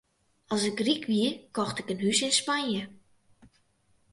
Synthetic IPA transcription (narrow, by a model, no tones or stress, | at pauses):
ɑlˠsɪkrikʰʋiəkɔxtɪkənɦysɪnspanjə